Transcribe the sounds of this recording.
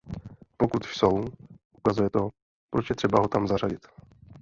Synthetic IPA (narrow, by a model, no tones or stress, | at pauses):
po̞kut̪sowʔukazujɛt̪oɦ | pɾot͡ʃjɛt̪r̥ɛbaɦo̞t̪amzaraɟɪt̪